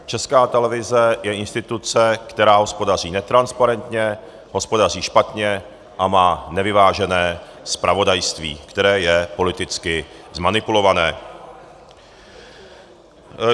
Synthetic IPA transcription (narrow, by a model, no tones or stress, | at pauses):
t͡ʃɛskaːt̪ɛlɛvɪzɛjɛʔɪnst̪ɪt̪ut͡sɛkt̪ɛɾaːɦo̞spo̞dar̝iːnɛt̪ɾanspaɾɛnt̪ɲɛ | ɦo̞spo̞dar̝iːʃpat̪ɲɛ | ʔamaːnɛvɪvaːʒɛnɛː | spɾʔavo̞dajst̪vḭːkt̪ɛɾɛːjɛpo̞lɪt̪ɪt͡skɪzmanɪpulo̞vanɛː